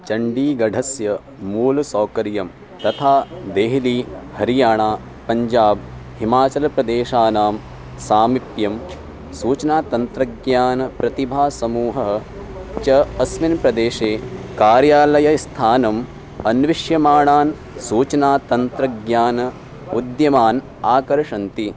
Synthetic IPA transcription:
t͡ʃɐɳɖiːɡɐɖʱɐsjɐ | muːlsoːkɐɾjɐm | t̪ɐt̪ʰaːd̪eːɦliːhɐɾijaːɳaː | pɐɲd͡ʒaːb̚himaːt͡ʃɐlɐpɾɐd̪eːʃaːnaːm | saːmipjɐm | suːt͡ʃɐnaːt̪ɐnt̪ɾɐɡjaːnɐpɾɐt̪ibʱaːsɐmuːɦɐɦ | t͡ʃɐɐsminpɾɐd̪eːʃeːkaːɾjaːlɐjɐst̪ʰaːnɐm | ɐnʋiʂjɐmaːɳaːn | suːt͡ʃɐnaːt̪ɐnt̪ɾɐɡjaːnɐ | ud̪jɐmaːn | aːkɐɾʂɐnt̪i

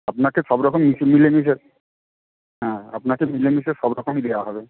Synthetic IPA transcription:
apnakeʃɔbɾɔkomːismilemis̬eɾ | ɦɛ̃a̰pnakemilemiseɾʃɔbɾɔkomid̪ewaɦɔbe

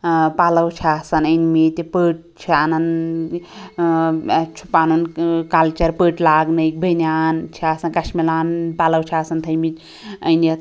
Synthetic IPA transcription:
paləwt͡ʃʰiasɐnəjnmit̪pəʈ̚t͡ʃʰianɐn | t͡ʃʰu̥paːnonkalt͡ʃɐɾpəʈlaːɡnəjk̚bʱəjnjaːnt͡ʃʰiasɐnkɐsmilanpaləwt͡ʃʰiasɐnt̪ʰəjmit̪ʲ | ə̰jne

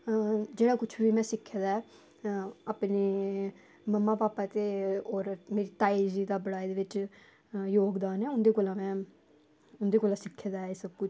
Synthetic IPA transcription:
d͡ʒeːɽaːkʊt͡ʃʰʋiːmɛ̃ːsɪkʰːeːd̪aːɛː | aːpneː | məmːãːpaːpaːt̪eːoːɾmeːɾiːt̪aːid͡ʒiːd̪aːbəɽaːid̪eːʋɪt͡ʃ | joːɡd̪aːnɛːʊnd̪eːkoːlãːmɛ̃ː | ʊnd̪eːkoːlãːsɪkʰːeːd̪aːɛsəbkʊt͡ʃʰ

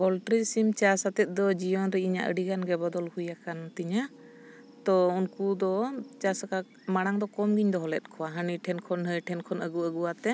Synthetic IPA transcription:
bɔlʈɾisimt͡ʃasat̪ɛt̪̚d̪ɔd͡ʒijɔnɾɛiɲa̰ʔə̰ɽiɡanɡɛbɔd̪ɔlhujakant̪iɲa | t̪ɔunkud̪ɔt͡ʃasaka | maɽ̃aŋd̪ɔkɔmɡiɲd̪ɔɦɔlɛt̪̚kʰɔwaɦəniʈʰɛnkʰɔnɦəjʈʰɛnkʰɔnəɡuəɡuwat̪ɛ

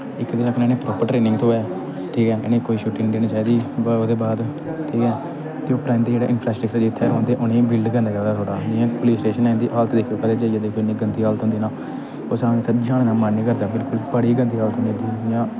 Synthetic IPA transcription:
ɪkːd̪ɪnaknɛ̃ːnẽːpɾɔːpəɾʈɾeːnɪ̃ŋɡt̪õːɛː | ʈʰiːkɛːenẽːkoːiːʃuːʈɪ̃ŋɡd̪eːñiːt͡ʃaːiːd̪iːbəoːd̪eːbaːd̪ | ʈʰiːkɛː | t̪eːoːpəɾãːnd̪iːd͡ʒeːɽḛːʔɪnpʰɾaːsʈɾəkt͡ʃəɾd͡ʒɪt̪ʰːeːɾõːnd̪eːʔʊnẽːbɪlɖɡənd̪eːkaːd̪aːt̪ʰoːɽaːnɪãːpoliːsʈeːʃənlɛːnd̪iːʔaːlt̪ʰd̪eːkʰːoːkəd̪eːd͡ʒaːijaːd̪eːkʰːonĩːɡənt̪iːaːlt̪ɦõnd̪iːnaː | oːsaːt̪ʰːd͡ʒaːɽ̃ːnaːmənːiːkəɾd̪aːbɪlkʊlbəɽiːɡənt̪iːɦaːlt̪ʰɦõneːd̪iːjãː

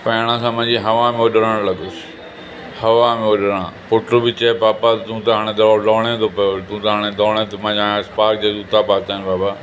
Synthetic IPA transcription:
pɐjɽ̃ãsãːmɐ̃d͡ʑiɦɐʋamẽoɗəɾəɽ̃lɐɡʊsɪ̥ | hɐʋamẽoɗəɾ̃ãpʊʈɾobɪt͡ɕɐpaːpat̪t̪ũt̪ɐɦaːɽ̃ẽd̪ɐɔlɔːɽ̃et̪ʰopɐjot̪ũːt̪ɦaːɽ̃ẽd̪ɔːɽ̃ẽt̪ʰomɐ̃d͡ʑaspaːɾk̚d͡ʑezut̪apaːt̪aːɪnbaːba

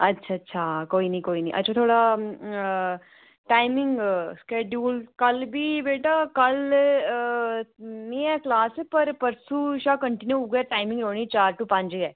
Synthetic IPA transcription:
ɐtːʃʰaːɐtːʃʰakoːinɐ̃ĩkoːinɐ̃ĩʔɐ̰tːʃʰat̪ʰoːɽa | ʈaːɪmɪ̃ŋɡskeːd͡ʒuːlkɐlbʱibeːʈaːkɐl | meːaklaːsɛpɐɾpɐɾsuʃaːkəɳʈɪnjuʊɡʈaːɪmɪ̃ŋɡɾoːnĩt͡ʃaːɾʈupɐ̃ɲd͡ʒɡɛː

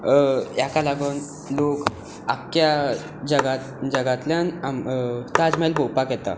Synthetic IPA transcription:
jakalaɡun | lok | akja | d͡ʑəɡat̪d͡ʑəɡat̪ljanamt̪ad͡zmalbʱowpakjɛt̪a̰

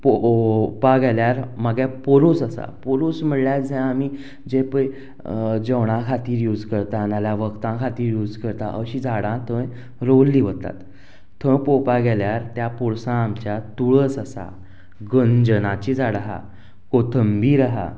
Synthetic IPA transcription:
popaɡɛljaɾmaɡɛ̃poɾusəsa̰poɾuːsm̤əɽljad͡zʱɛ̃amiː | d͡ʑepə | d͡ʑəwɽ̃ãkʰat̪iːɾjuːd͡zkəɾt̪aːnaljaʋəkt̪ãkʰat̪iːɾjuːd͡zkəɾt̪a̰ʔəɕiːd͡zʱaɽãt̪ʰə̃j | ɾolːiːʋət̪a̰t̪ | t̪ʰːə̃jpopaɡɛljaɾt̪japuɽsãːmt͡ɕjat̪uɭəsəsa̰ | ɡənd͡ʑənãt͡ɕid͡zaɽaɦa̰ | kot̪ʰəmbiːɾaɦa̰

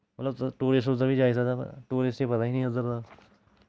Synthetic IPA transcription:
mət̪ləb̪ʈoːɾɪsʈʊzəɾbʱiːd͡ʒaːisat̪ːʈoːɾɪsʈẽpət̪aːɦinĩːəzəɾt̪aː

